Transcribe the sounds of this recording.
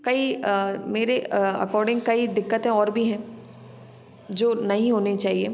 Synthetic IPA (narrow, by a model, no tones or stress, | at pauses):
kɐimeːɾeɐ̰kɔːɾɖɪ̃ŋɡ̚kɐid̪ɪkːət̪ẽɔːɾbʱiɦɛ̃ː | d͡ʒoːnɐɦĩɦoːnet͡ʃaːɦieː